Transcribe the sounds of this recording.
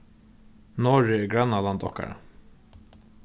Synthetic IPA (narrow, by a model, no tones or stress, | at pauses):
nɔːɹɪɛɡɾanːalant̪ɔhka̰ɾa̰